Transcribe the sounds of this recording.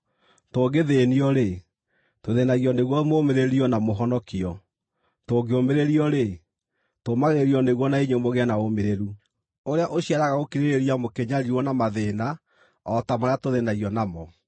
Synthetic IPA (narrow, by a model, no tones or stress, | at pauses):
toːɡeðeniɔɾe | toðenaɣiɔneɣwɔmomeɾeɾiɔnamoɦɔnɔkiɔ | toɡeomeɾeɾiɔɾe | tomaɣeɾiɔneɣwɔnaiɲomoɣeanaomeɾeɾu | oɾeaʔoɕiaɾaɣaokiɾeɾeɾiamokeɲaɾiwɔnamaðena | ɔtamoɾeatoðenaɣiɔnamɔ